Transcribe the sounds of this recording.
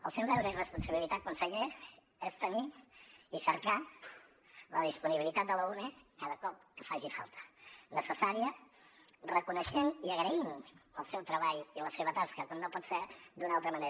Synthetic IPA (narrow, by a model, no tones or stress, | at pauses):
ə̰lˠsɛwlɛwɾəirəspunsəβilit̪akunsəʎe | ɛst̪əniisəɾka | lə̰ðispuniβilit̪at̪̚d̪ələunekaðəkɔp̚kə̥faʒifa̰lˠt̪ʰə̥nəsəsaɾiə | rəkunəʃeniəɣɾəinə̰lˠsɛwt̪ɾəβaʎiləseβət̪askəkwanːopɔt̪sed̪unalˠt̪ɾəməne